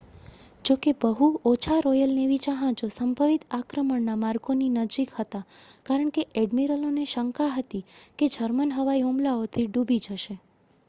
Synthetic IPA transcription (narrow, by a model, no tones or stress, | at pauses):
d͡ʒokebəɦuot͡ʃʰaɾɔjəlneʋit͡ʃaɦãd͡ʒosəmbʱəʋit̪akɾəməɳnamaɾɡoninəd͡ʒikhət̪akaɾəɳkeʔɛɖmiɾəloneʃəŋkaɦət̪iked͡ʒʱəɾmənɦəʋaiomlaot̪ʰiɖubʱid͡ʒəʃe